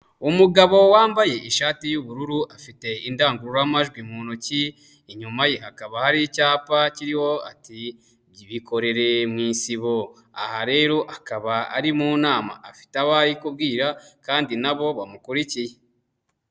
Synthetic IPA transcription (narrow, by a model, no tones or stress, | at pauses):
umuɡaβo̞waːmbaje̞ʔiʃaːtijuβuɾuɾuʔafite̞indaːŋɡuɾuɾoamaʒɡwimuːnoci | iɲumajehakaβahaɾicaːpaciɾiho̞a̰ti | iβiko̞ɾe̞ɾe̞mŋiːnsiβo̞ | a̰haɾe̞ːɾo̞ʔakaβaa̰ɾimuːnaːma̰ːfi̥taβaɾikub̚ɡiːɾakaːndinaβo̞βamukuɾicije